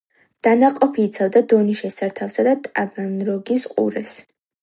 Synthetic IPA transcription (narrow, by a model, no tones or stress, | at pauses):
d̪̥anaqʼɔpʰiːt̪sʰavd̪ad̪ɔniʃɛsaɾt̪ʰafsad̪at̪ʼabanɾɔɡisqʼṵɾɛs